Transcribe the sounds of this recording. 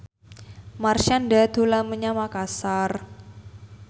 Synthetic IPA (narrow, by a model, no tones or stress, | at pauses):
marʃandad̪̥o̤laməɲamakasar